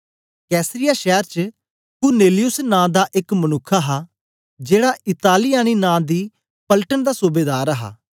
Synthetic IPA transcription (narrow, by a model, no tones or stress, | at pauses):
kɛːsɾɪjaːʃɛːɾt͡ʃə | kʊɾneːlɪjʊsnãːd̪aːʔɪkmənʊkʰːaɦaː | d͡ʒeːɽaːʔɪt̪aːlijãːniːnãːd̪iː | pəlʈənd̪aːsuːbeːd̪aːɾəɦa̰ː